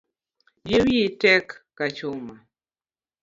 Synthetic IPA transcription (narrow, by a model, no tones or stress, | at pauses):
jewiitɛkː | at͡ʃʊma